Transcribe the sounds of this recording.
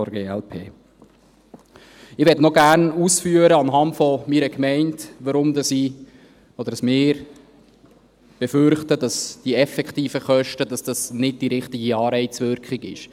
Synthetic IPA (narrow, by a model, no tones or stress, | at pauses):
ɡeːɛlpʰḛː | ɪʋɛtnɔɡæɾnuːsfyəɾəɑnɦɑntfɔmiɾəkmɛɪntʋəɾʊmdɑsi | ɔd̪əɾdɑsmɪːɾ | b̥ɛfʏɾχtədɑsd̥iɛfɛkχtiːfəχœʃtəd̥ɑsd̥ɑsnɪd̚d̥iɾɪχtɪɡiɑːɾɛɪt͡sʋʏɾkχɪɡɪ̰ʃ